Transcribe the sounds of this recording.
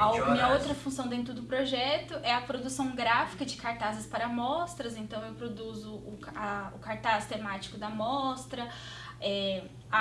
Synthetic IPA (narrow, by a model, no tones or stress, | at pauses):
amĩɲɐowt̪ɾɐfũsɐ̃w̃d̪ẽt̪ɾʊd̪ʊpɾoʒɛt̪ʊʔɛɐpɾod̪usɐ̃w̃ɡɾafi̥kɐd͡ʒɪkaɾt̪azɪspaɾɐmɔst̪ɾɐzẽnt̪ɐ̃w̃ewpɾod̪uzʊːɐʊkaɾt̪ast̪emat͡ʃi̥kʊd̪ɐmɔst̪ɾɐ | ɛ